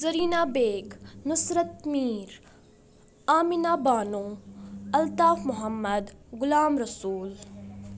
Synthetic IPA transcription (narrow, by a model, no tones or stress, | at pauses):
zɐɾiːnaːbeːɡnɐsɾɐt̪̚miːɾ | aːminaːbaːnũːɐlt̪aːfmʊɦɐmːɐd̪ɣʊlaːmɾɐsuːl